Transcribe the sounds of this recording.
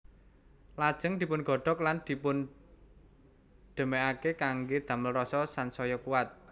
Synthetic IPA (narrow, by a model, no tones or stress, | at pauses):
lad̥ʒ̥əŋd̪̥i̤pʊnɡ̥ɔ̤ɖ̥ɔ̤k̚land̪̥i̤pʊn | ɖ̪̥ə̤meakekaŋɡed̪̥ä̤məlrɔsɔsansɔjɔkuwat̪̚